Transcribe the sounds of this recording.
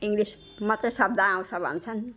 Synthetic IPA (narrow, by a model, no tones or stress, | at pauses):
iŋɡɾis | mʌt̪esʌb̚d̪ʱaãw̃sʰʌbʱʌ̰nt͡sʰʌn